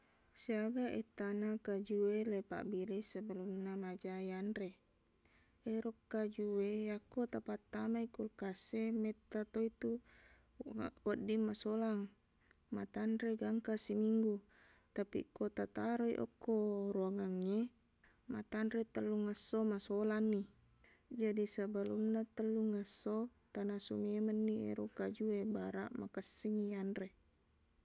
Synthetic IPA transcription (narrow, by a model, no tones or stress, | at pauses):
siaɡaʔet̪ːanakad͡ʒuwelepa̰ʔbilisəbəlumnamad͡ʒajanɾe | eɾokːad͡ʒuwejakːot̪apat̪ːamaikulkasːemet̪ːat̪oit̪u | a̰kodːimːasolaŋ | mat̪anɾeɡaŋkasimiŋɡu | t̪apḭkot̪at̪aɾoḭʔo̰kːoɾuaŋaŋːe | ma̰t̪anɾet̪əlːuŋasːomasolanːi | d͡ʒadisabalunːat̪əlːuŋasːot̪anasomemənːiḛɾukad͡ʒuebaɾa̰ʔmakəsːiŋiandɾe